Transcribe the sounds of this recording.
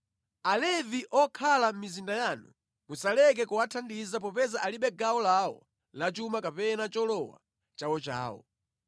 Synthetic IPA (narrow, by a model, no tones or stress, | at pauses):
alɛviʔɔkʰalam̩mizindajaːnṵ | musalɛk̬ɛkuwatʰandizapɔpɛzaʔaliɓɛɡawɔlawɔ̰ | lat͡ʃumakapɛnat͡ʃɔlɔwa̰ | t͡ʃawɔt͡ʃa̰ːwɔ̰